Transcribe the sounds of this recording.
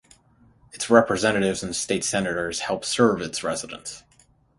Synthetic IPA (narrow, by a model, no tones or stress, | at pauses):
ɨtsɹɛpɹɨzɛ̃nɨɾɪvzɨ̃n̩steɪtsɛnɨɾə˞z̥hɛlˠpsɜ˞vɨtsɹɛzəɾə̰̃ns